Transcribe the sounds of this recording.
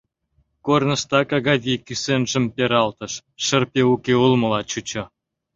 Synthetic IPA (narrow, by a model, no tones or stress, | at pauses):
kornə̆ʃt̪ɑkɑɣɑvʲikysenʒə̆mpʲeɾɑlt̪ə̆ʃːə̆rpʲeukeulˠmə̆lɑt͡ɕut͡ɕŏ